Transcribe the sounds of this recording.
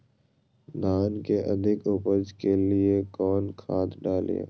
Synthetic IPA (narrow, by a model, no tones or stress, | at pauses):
d̪ʱaːnkeʔɐd̪ʱɪkʊpəd͡ʒkeliekɔːnkʰaːt̪ɖaːl̰a̰ː